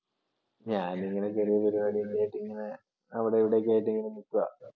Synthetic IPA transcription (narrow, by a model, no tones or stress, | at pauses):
ɲaːniŋːɐnekɐɾiʋɐðɐɾumɐɽiilːaːjiʈːiŋːɐne | ɐʋiɽeiʋiɽek̬ːaːjiʈːiŋːɐnenikːuɐ̰